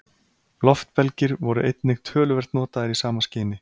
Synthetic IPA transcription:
lɔft̪pɛlcɪɾvɔɾʏ̰ʔejt̪nɪxt̪ʰœːlʏvɛr̥t̪nɔːt̪aðɪɾisaːmascɪːnɪ

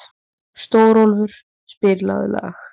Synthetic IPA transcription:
st̪oːwɾɔlvʏɾ̥ | spɪɾla̰ðʏ̰la̰ːx

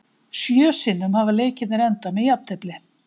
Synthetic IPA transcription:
sjœːsɪnːʏmhavaleːjcɪt̪nɪɾɛnt̪amɛðjapt̪ʰɛplɪ

